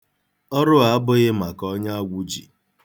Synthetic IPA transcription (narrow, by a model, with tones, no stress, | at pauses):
ɔ˦ɾʊ˦a˨a˦bʊ˦ɣɪ˦ma˨kɔ˦ɲa˦a˦ɡʷu˦d͡ʒḭ˨